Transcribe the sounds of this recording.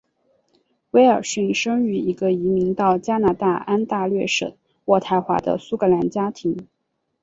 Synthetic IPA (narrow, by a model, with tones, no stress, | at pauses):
we˥ɪə˞˨˩ɕɥy˥˩nʂɤ˥ŋy˧˥i˧˥ɡə˧i˧˥mi˧˥ŋt̪ɑ˥˩ʊt͡ɕja˥na˧˥t̪a˥˩a˥nt̪a˥˧lɥɛ˥˩ʂə̰˨˩˦ | wɔ˥˩t̪ʰa˧˥ɪxwa̰˧˥d̪ə̰˧su˥kɤ˧˥la˧˥nt͡ɕja˥t̪ʰi˧˥ŋ